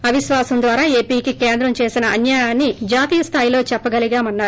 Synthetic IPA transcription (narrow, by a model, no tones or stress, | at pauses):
ɐʋiʃʋaːsɐmd̪ʋaːɾaːe̞ːpiːkike̞ːnd̪ɾɐmt͡ʃe̞ːsinɐʔɐnjaːjaːnːid͡ʒaːt̪iːjɐst̪ʰaːjilo̞ːt͡ʃɛpːɐɡɐliɡaːmɐnːaːɾu